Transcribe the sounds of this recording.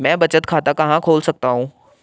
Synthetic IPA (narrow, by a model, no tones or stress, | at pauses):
mɛ̃bət͡ɕət̪kʰat̪akɐ̃ɦãkʰoːlsɐk̚t̪aɦũː